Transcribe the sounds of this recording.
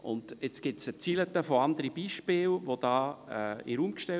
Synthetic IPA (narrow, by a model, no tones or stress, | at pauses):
ʊ̰ndet͡sɡ̥ɪtsət͡silətəfoandəɾib̥iːʃpɪːlʋod̥ɑːḭɾuːmkʃtɛ